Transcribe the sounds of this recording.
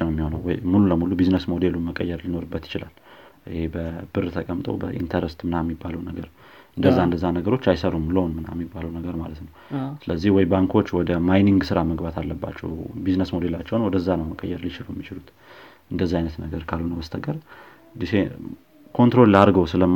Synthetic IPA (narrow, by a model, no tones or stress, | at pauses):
nəwɛmːiho̞nəwjmululəmulubiznəsmo̞d̪e̞luməkʼəjːɛɾlino̞ɾɨbːət̪jɪt͡ʃɪla̰lʔɨhebəbɨrt̪ʰəkʼəmt̪ʼo̰wbəʔḭnt̪ʰəɾəst̪mɨnajɛmːibːaləwnəɡəɾ | ɨnd̪əzːaɨnd̪əzːanəɡəɾo̞t͡ʃːajsəɾumləhonmɨna̰jmːibːaləwnəɡəɾmalət̪nəwsɨləzːihwɔjbaŋkʰo̞t͡ʃːwɔd̪əmajniŋɡsɨɾaməɡbat̪ʰalːəbːa̰t͡ʃːɛ̰wbiznəsmo̞d̪e̞lat͡ʃːɛwnwɔd̪əzːanəwməkʼə̰jːɛɾlit͡ʃɪlujɛmːit͡ʃɪlut̪ | ʔɨnd̪əzːaajnət̪nəɡəɾkʰalːunəwəst̪ʰəɡəɾ | d̪ise | kʰo̞nt̪ɾo̞llaɾɡəwsɨləm